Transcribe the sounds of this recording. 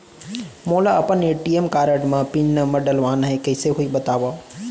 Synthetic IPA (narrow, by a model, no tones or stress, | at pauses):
moːlaɐpəneʈiemkaːɾəɖmãpiɲnəmɐɖəlʋaːnɦẽkɐːseɦuiɓɐt̪aːʋaː